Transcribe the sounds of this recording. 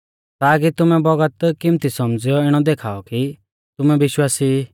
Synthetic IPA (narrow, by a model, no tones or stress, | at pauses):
t̪aːk̬it̪ʊmɛbɔɡət̪kɪmt̪isɔmd͡zɪjɔɪɽ̃ɔd̪eːkʰaːɔki | t̪ʊmɛbɪʃwaːsi